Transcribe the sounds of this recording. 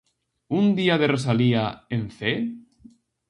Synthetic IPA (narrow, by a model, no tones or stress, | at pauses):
und̪iaðeres̬aliaenθe